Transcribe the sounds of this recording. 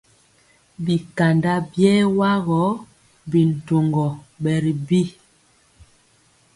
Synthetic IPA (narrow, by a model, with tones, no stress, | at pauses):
bi˨ka˨nda˦bjɛ˦wa˦ɣɔ˨˦ | bi˨n̩˨to˨ŋɡɔ˨ɓɛ˨ɾi˨bi˦